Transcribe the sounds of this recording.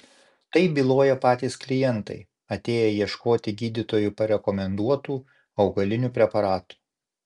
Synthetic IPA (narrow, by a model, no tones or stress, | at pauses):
t̪ɐɪbʲilˠoːjɛpɑːt̪ʲiːsklʲɪjɛnt̪ɐ̰ɪ | ɐt̪ʲeːjɛjiɛʃkoːt̪ʲɪɡʲiːd̪ʲɪt̪oːjupɐɾʲɛkɔmʲɛnd̪uɔt̪uː | ɒʊɡɐlʲɪnʲuːpʲɾʲɛpɐɾɑːt̪u̥